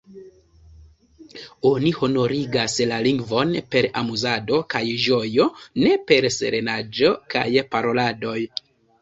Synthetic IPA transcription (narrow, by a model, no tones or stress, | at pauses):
o̞nihono̞ɾiɡaslaliŋɡvo̞npe̞ɾamuzado̞kajʒo̞jo̞ne̞pe̞ɾse̞̰ɾe̞nad͡ʒo̞ka̰jpaɾo̞lado̞j